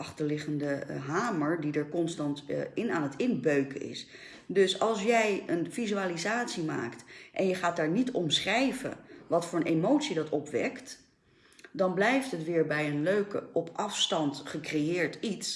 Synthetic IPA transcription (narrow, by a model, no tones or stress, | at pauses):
ɑχtəɹlɪχəndəɦaːməɹdidəɹkɔnstɑntɪnaːnətɪnbøɥkəɪ̰s | dɵsɑlˠsjɛjənvizyaːlizaːtsima̰ːktʔɛnjəχaːt̚daːɹnitɔmsχrɛjvə̰ʋɑtfʊːɹənʔemowtsidɑtɔpʋɛ̰kt | dɑnblɛjftɦətʋɪːɹbɛjənløɥkə̰ɔpʔɑfstɑntχəkrejɪːɹtits